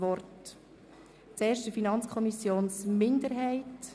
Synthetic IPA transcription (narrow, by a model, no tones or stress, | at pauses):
vɔrt | t͡seːɾʃtəfinɑnt͡skʰɔmisjoːnsmɪndəɾɦɛɪt